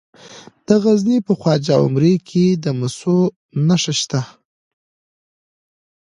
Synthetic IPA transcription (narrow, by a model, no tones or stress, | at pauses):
d̪̥əɣaznipəxwɑd͡ʒaʊ̰mɾekʰed̪əmʊso | naʂəʃt̪a